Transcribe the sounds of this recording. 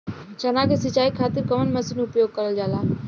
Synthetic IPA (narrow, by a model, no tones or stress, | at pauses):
t͡ʃɐnaːkesɪt͡ʃaːikʰaːt̪ɪɾkɐmənmɐsɪnʊpjoːɡ̚kəɾəld͡ʒaːlaː